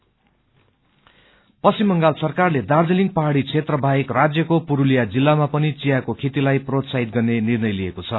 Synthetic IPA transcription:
pʌsimːʌŋɡalsʌrkarled̪ard͡zeliŋɡ̚pʌɦaɽit͡sʰet̪rʌbʱaekrad͡zjʌkopuɾulijad͡zilːamapʌnit͡sijakokʰet̪ilajprot̪saɦit̪̚ɡʌrnenirnʌjliekot͡sʰʌ

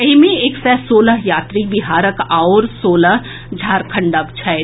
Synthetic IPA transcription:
imẽeːksɛsoːləɦjaːt̪ɾibɪɦaːɾəkaoɾsoːləɦ | d͡ʒʱaːɾkʰɐ̃ɳɖəʋt͡ʃʰa

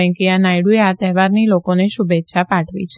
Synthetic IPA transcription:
ɛ̃ŋkianajɽueat̪ɛɦʋaɾnilokoneʃubetːʃʰapaʈʰʋḭt͡ʃʰ

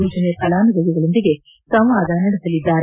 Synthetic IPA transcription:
uːd͡ʒɐnejɐpɐlaːnɐɡɐɡɐɡɐɭond̪iɡe̞ | sɐʋaːd̪aːnɐɽesɐlid̪ːaːɾe

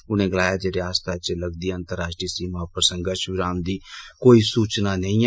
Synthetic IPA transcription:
ʊnẽːɡəlaːjaːd͡ʒeːɽeaːst̪ʰaːt͡ʃləɡd̪iːaənt̪əɾaːʃʈɾiːsiːmaːpəɾsə̃ŋɡəɾʃʋɪɾaːmd̪iːkoːiːsuːt͡ʃnaːnəĩː

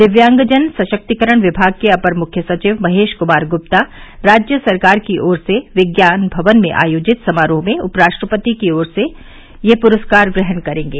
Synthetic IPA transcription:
d̪ɪʋjãːŋɡd͡ʒənsɐʃək̚t̪ikəɾəɽ̃ʋɪbʱaːɡ̚keɐpəɾmʊkʰjəsɐt͡ʃiːʋmɐɦeːʃkʊmaːɾɡʊp̚t̪aɾaːd͡ʒjəsɐɾkaːɾkiʔɔːɾseʋɪɡjaːnbʱɐʋənmḛ̃ʔa̰ːjoːd͡ʒɪt̪sɐmaːɾõmẽʊpɾaːʃʈɾəpət̪ikiɔːɾse | jepʊɾəskaːɾɡɾɪɦənkɐɾẽːŋɡeː

